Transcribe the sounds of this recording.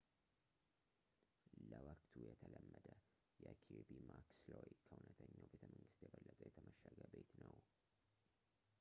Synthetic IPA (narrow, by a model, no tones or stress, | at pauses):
ləwəkʼt̪ʰujɛt̪ʰələmːəd̪ə | jɛkʰobimakslojkʰəunət̪ʰəɲːawbet̪ʰəməŋɡɨst̪jɛbəlːət̪ʼjɛt̪ʰəməʃəɡəbet̪nəw